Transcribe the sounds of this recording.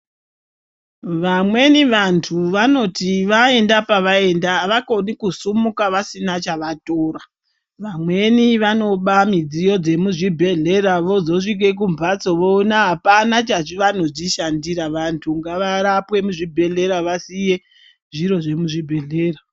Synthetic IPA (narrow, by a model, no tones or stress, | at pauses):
ʋamwe̞niʋantʰuʋano̞tiʋae̞ndapaʋae̞ndaʋako̞nikusumukaʋasinat͡ʃaʋatoːɾa | ʋamwe̞niʋano̞ɓamid͡zijo̞d͡ze̞muʐibʱe̞ɮe̞raʋo̞zo̞ʂik̬e̞k̬umbʱat͡so̞ʋo̞ːnaɦapanat͡ʃaʐiʋano̞d͡ʒiʃandiɾaʋantʰuŋɡaʋaɾapwe̞muʐibʱe̞ɮe̞ɾaʋasije | ʐiɾo̞ʐe̞muʐibʱe̞ɮe̞ːra